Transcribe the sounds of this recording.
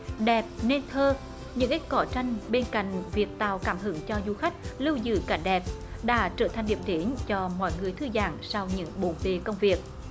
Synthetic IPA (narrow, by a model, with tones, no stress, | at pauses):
ɗɛ˨˩p̚ne˧nt̪ʰəː˧ | ɲɨ̰˧˥ŋʔi˦˥t̚kɔ˧˩t͡ɕa˧jŋ̟ɓe˧nka̰˧˨jŋ̟vi˨˩ək̚t̪a̰ː˧˨wkaː˧˩mɦɨ˨˧˩əŋt͡ɕɔ˧zu˧xa˦˥k̟̚lɨ˧wzɨ̰˧˩ka˧˩ŋ̟ɗɛ˨˩p̚ɗa̰ː˧˥t͡ɕəː˧˩t̪ʰa˨˩ŋ̟ɗḭ˨˩əm̚ɗ̪i˧˦nt͡ɕɔ˧mɔ̰˧˨jŋɨ˨˩əjt̪ʰɨ˧za̰ː˧˩ŋsa˧wɲɨ̰˧˥ŋɓo˨˧˩nve˧˨˩kə˧wŋ͡mvi˨˩ək̚